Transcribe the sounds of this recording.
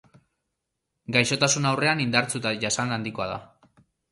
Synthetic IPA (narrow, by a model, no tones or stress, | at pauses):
ɡajʃo̞t̪asunawre̞anind̪aɾt͡sut̪ajasanand̪iko̞aða̰